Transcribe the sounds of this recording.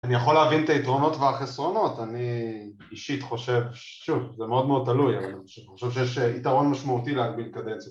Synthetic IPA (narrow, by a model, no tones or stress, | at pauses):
anijaχo̞leːvint̪aitʁo̞no̞tveaχesʁo̞no̞t̪ani | iʃit̪χo̞ʃe̞vʃʃuvzemeo̞d̪meo̞d̚t̪alujavaniχoʃevχo̞ʃevʃ̬ejeʃitaʁo̞nmaʃmaut̪ileaɡ̚bilkad̪emt͡s